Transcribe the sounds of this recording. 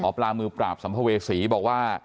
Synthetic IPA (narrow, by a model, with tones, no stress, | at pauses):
ɔː˨˦plaː˧mɯː˧pɾaː˨˩p̚sa˩˦mpʰa˧weː˧siː˩˦bɔː˨˩k̚waː˥˩